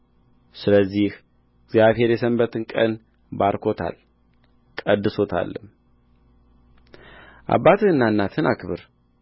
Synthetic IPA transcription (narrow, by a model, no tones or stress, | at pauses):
sɨləzːih | ɪɡzjaβhe̞ɾjɛsəmbət̪ʰɨnkʼən | baɾkʰo̞t̪ʰa̰l | kʼəd̪ːɨso̞t̪ʰa̰lːɨm | ʔa̰bːat̪ʰɨɨnːanːat̪ʰɨnakʰɨβɨɾ